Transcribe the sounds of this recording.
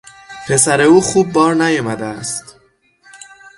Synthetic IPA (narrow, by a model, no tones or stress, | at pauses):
pʰe̞sæɾe̞uːxuːbːɒːɾnæjɒːmæd̪eæst̪